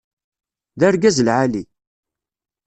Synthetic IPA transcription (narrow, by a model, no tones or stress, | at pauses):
ðæɾɡæzəlʕali